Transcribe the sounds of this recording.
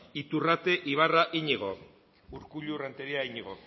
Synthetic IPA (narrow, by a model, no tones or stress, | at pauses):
it̪urat̪e̞ʔiβ̞araʔiɲiɣ̞o̞̰ | uɾkuʎurant̪eɾiaiɲiɣo